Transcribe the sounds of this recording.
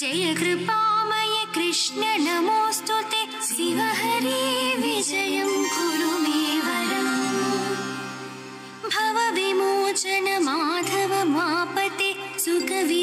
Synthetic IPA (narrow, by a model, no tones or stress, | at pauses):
d͡ʒɐjɐkɾɪpaːmɐjɐkɾɪʂnɐnɐmoːst̪ot̪e | siʋɐɦɐɾiʋid͡ʒɐjɐmɡʱuɾumeːʋɐɾɐm | bʱɐʋɐʋimoːt͡ʃɐnɐmaːd̪ʰʱɐʋɐmaːpɐt̪esʊkɐʋi